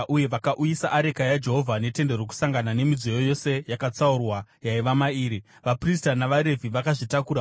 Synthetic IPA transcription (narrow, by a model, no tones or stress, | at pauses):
uje̞ʋakaʔujisaʔaɾe̞kajad͡ʒe̞ɦo̞vʱane̞te̞nde̞roku̥saŋɡanane̞mid͡zojojo̞se̞jakat͡saurwajaiʋamaiːɾi | ʋapristanaʋaɾe̞vʱiʋakaʐitakuɾa